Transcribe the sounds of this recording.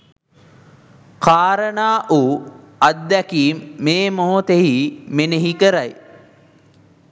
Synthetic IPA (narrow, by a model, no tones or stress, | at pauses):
kaːɾənaːʔuː | ɐd̪̚ːɛkiːmːeːmoɦot̪eɦimeneɦikəɾaj